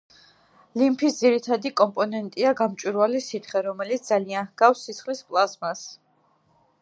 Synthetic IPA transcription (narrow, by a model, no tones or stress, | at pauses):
limpʰisd̪ziɾit̪ʰad̪ikʼɔmpʼɔnɛnt̪ʼiaɡamt͡ʃʼwiɾvalisit̪ʰχɛɾɔmɛlit̪s̚d̪zalianhɡ̥afsːit̪sχlispʼlˠasmas